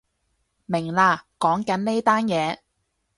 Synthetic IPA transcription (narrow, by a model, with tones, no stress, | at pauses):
mɪ˨˩ŋlaː˧kɔː˨˥ŋkɐ˨˥nne˥t̪aː˥njɛː˨˧